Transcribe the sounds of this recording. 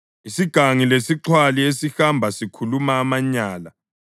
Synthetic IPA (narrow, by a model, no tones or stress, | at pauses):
isiɡ̥ʱaŋilesiǁʰwaliesixambʱasikʰulumaːmaɲaːla